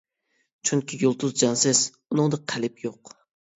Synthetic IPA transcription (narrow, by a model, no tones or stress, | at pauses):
t͡ʃʰyŋkʲʰijolˠt̪ʰuzd͡ʒɑnsɪz̥ | unɨŋd̪ɨqʰælɪpjoq